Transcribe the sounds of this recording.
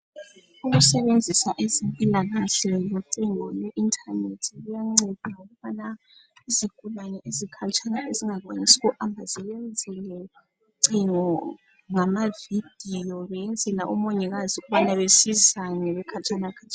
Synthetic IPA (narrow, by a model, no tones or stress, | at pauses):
uɣusɛβend͡zʱisaʔezimpʼilaɣasɛjɔǀiŋɔjɛʔintʰʼanetʰiɣujaŋ͡ǀed̥ʱaŋoɣuβana | izikʰʼulanɛʔezikʰat͡ʃʼanaʔeziŋaɣwaɲisi̥ɣuʔambʱazijɛnd͡zʱɛlɛ | ǀiŋɔ | ŋamavid̥ʱijɔβɛjɛnd͡zʱɛlaʔɔmɔɲɛɣaziɣuβanaβesizanɛβɛkʰat͡ʃʼanakʰat͡ʃʰʼa